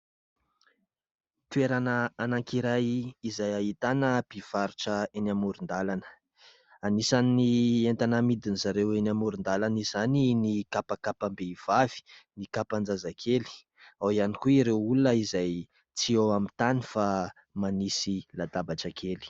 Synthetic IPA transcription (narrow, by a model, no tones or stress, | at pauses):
t̪ueɾanəanaŋkiɾajizajaɦit̪anəpiv̥aɾuʈ͡ʂəenamuɾund̪alanə̥ | anisannient̪anamid̪inizaɾewenamuɾund̪alanizaninikapakapambev̥av̥i̥nikapand͡zazakʰeli̥ | awianikuiɾewulunəizaj | t͡siowamint̪anifa | manisilad̪abaʈ͡ʂakʰeli̥